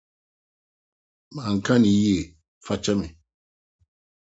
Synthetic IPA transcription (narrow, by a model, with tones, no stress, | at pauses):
ma˨ŋ̩˨ka˦ni˨je˨ | fa˦t͡ʃa˦mɛ˨